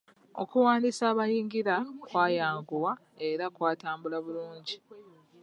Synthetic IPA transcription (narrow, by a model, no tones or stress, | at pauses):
o̞̰kuwaːndisaːβajiːŋɡiɾakwaːjaːŋɡuwa | e̞ɾakwaːtaːmbulaβuluːɲɟi